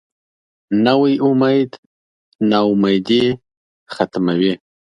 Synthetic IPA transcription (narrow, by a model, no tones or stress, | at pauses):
nawəjʊmajd̪ | naʊmajd̪i | xat̪mawi